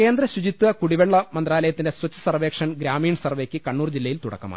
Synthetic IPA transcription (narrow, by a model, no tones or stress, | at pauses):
ke̞ːnd̪rɐɕud͡ʑit̪ːuɐkuɽiʋeɭːɐmɐnd̪raːlɐjɐt̪ːinde̞swɐt͡ɕːɐsɐrʋe̞ːkʂɐnɡɾaːmiːɳsɐrʋeːkʲːɨkɐɳːuːrd͡ʑilːɐjilt̪uɽɐ̰kːɐma̰